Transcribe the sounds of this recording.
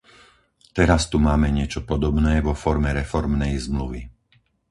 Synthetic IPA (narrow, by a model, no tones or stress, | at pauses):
t̪ɛɾast̪umaːmɛɲɪɛt͡ʃɔpɔd̪ɔbnɛːʋɔfɔɾmɛɾɛfɔɾmnɛjzmluʋi